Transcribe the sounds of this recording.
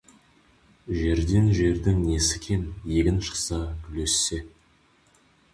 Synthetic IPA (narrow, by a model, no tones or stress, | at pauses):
ʒe̞ɾd̪e̞nʒe̞ɾd̪ɪŋne̞sɪ̥kʲʰenje̞ɡʲɪnʃə̥qsɑkʲʰʏle̞sːe̞